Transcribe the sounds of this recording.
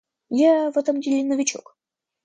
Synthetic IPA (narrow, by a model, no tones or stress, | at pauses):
javɛt̪əmdʲɪlʲɪnəvʲɪt͡ɕo̰k